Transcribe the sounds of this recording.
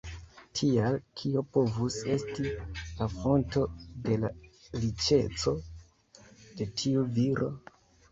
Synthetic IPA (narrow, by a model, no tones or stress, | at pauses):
tʰialkʰio̞po̞vuse̞stilafo̞nto̞de̞laɾit͡ʃe̞t͡so̞ | d̥e̞tʰiuviɾʔo̞̰